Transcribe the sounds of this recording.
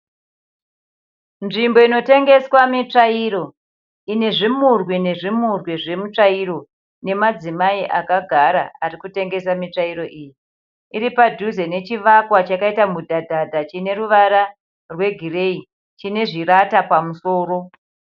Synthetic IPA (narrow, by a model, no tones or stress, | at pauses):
nʐimbo̞ino̞te̞ŋɡe̞swamit͡ʂaiɾo̞ | ine̞ʐimurwene̞ʐimurweʐe̞mut͡ʂaiɾo̞ | ne̞mad͡zimaiʔakaɡʱaɾaarikute̞ŋɡe̞samit͡ʂaiɾo̞ʔiːji | iɾipadʱuze̞ne̞t͡ʃiʋakwat͡ʃakaitamudʱadʱadʱat͡ʃine̞ɾuʋaɾa | rwe̞ɡʱire̞i | t͡ʃine̞ʐiɾatapamuso̞ːɾo̞